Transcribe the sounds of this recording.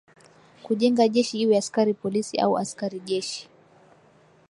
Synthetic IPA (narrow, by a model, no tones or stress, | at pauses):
kuʄɛŋɡaʄɛʃihiwɛaskaɾipɔlisiʔa̰uʔa̰skaɾiʄɛʃi̥